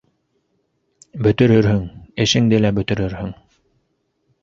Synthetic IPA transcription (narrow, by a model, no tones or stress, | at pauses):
bɵ̆t̪ɵ̆ɾɵɾɦɵŋɘ̆ʃɘ̆ŋd̪ɘlæbɵ̆t̪ɘ̆ɾɘɾhɵŋ